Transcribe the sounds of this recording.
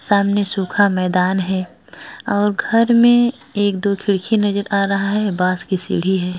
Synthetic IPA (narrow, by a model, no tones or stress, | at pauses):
saːmnesuːkʰamɛːd̪aːnɦɛː | ɔːɾɡʱɐɾmẽeːkd̪oːkʰɪɽkʰinɐd͡ʒəɾaːɾɐɦaɦɛbaːskisḭɽ̤iɦɛː